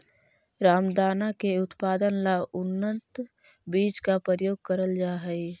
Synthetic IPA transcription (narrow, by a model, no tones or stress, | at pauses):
ɾaːmd̪aːnakeʊt̪paːd̪ənlaʊnːət̪ | biːt͡ʃkapɾəəjoːɡ̚kəɾəld͡ʒaːɦɛi